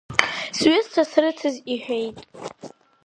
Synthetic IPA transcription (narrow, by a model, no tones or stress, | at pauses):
sɥɪztʰasrɨt͡sʰɨziħᶣejtʼ